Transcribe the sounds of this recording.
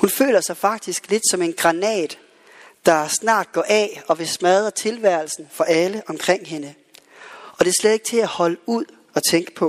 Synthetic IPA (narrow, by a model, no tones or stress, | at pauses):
hunfø̰ːlɐsɑ̈ɪfɑ̈ɡ̥̚d̥isɡ̥le̝d̥sɒ̽me̝nɡ̥ʁɑ̈nɛ̰ːd̥ | ɑ̈snɑ̰̈ːd̥ɡ̥ɒʔɛɒ̽ʋe̝smæðˠɐt͡sʰe̝lʋæɐ̰lsn̩fɒ̽ʔæləʔɒ̽mkʰʁeŋ̰ɦe̝nə | ɒ̽d̥e̝æɐsled̥e̝ɡ̥̚t͡sʰe̝æhɒ̽ləuð̰ˠ | ɒ̽t͡sʰeŋɡ̥ə̥pʰɒ̽